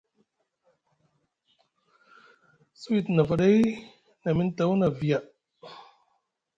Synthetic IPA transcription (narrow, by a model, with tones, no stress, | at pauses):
si˦˨tna˨fa˨de˦j | na˨mi˦n˦ta˨˦wna˨vi˨a˨